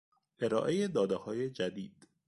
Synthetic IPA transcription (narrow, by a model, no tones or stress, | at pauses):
ʔe̞ɾɒ̰ːʔe̞je̞d̪ɒːd̪ehɒːje̞d͡ʒæd̪iːd̪̥